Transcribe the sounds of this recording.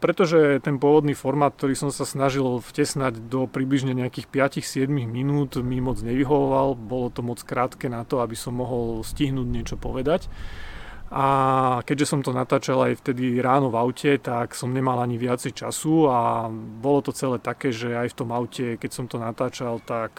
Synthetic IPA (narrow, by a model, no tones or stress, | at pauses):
pɾɛt̪ɔʒɛt̪ɛnpʊɔʋɔd̪niːfɔɾmaːt̪̚k̚t̪ɔɾiːsɔmsasnaʒilfcɛsnaɟd̪ɔpɾibliʒɲɛɲɛakiːxpɪacixsɪɛd̪miɣminuːt̪mimɔd͡zɲɛʋiɦɔʋɔʋalbɔlɔt̪ɔmɔt͡skɾaːt̪kɛːnat̪ɔabisɔmːɔɦɔlsciɦnuːɟɲɛt͡ʃɔpɔʋɛd̪ac | ʔakɛɟʒɛsɔmt̪ɔnat̪aːt͡ʃalajft̪ɛd̪iɾaːnɔvaʊcʰɛt̪aksɔmɲɛmalaɲiʋɪat͡sɛjt͡ʃa̰suabɔlɔt̪ɔt͡sɛlɛːt̪akɛːʒɛajft̪ɔmaʊcʰɛkɛcsɔmt̪ɔnat̪aːt͡ʃalt̪ak